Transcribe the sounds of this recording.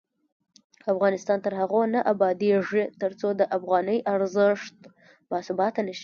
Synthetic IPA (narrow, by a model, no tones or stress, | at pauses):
afɣɑnɪst̪ɑnt̪əɾhaɣonaʔabɑd̪eʐit̪əɾt͡sod̪əʔafɣɑnəjʔaɾzəʂt̪ | mɑsubɑt̪ːanəʃi̥